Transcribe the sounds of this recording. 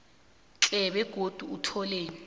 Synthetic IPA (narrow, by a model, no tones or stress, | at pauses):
ǁɛɓɛɡ̥ʱod̥ʱuːtʰɔleːni